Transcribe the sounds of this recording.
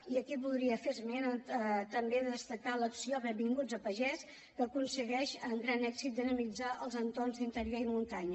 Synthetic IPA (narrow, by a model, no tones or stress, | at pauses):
iəkipuðɾiəfeɾmenəət̪əmbeððəst̪əkaləksioβəbiŋɡud͡zəpəʒɛs | kəkunsəɣɛʃəŋɡɾanɛɡzit̪̚d̪ənəmid͡zaʔəlˠzənt̪ornzd̪int̪əɾjoɾimunt̪aɲə